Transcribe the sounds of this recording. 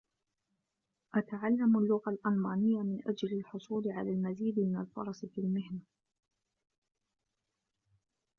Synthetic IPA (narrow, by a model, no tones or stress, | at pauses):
ʔat̪aʕalːamalːʊɣalʔalmaːnɪjːamɪnʔad͡ʒlalħʊsˤuːlɪʕalaːlmaziːd̪mɪnalfɑ̰ɾˤɑsfilmɪhna